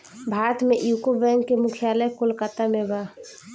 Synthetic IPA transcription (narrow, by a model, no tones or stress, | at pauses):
bʱaːɾət̪mẽʔjukobɛŋkːemʊkʰijaləjkolkat̪amẽba